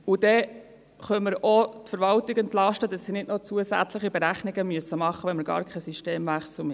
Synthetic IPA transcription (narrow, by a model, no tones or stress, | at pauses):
ud̥̪ɛ | χœməɾɔt̪fəɾʋɑltiɡɛnt̪lɑʃtədɑsːinɪdnot͡suəsæ̰t͡sləχibɛɾæχniɡəmyəsːəmɑχːəʋɛnməɾɡ̥ɑ̰ːɾkʰɛsyʃteːmvæχsl̩m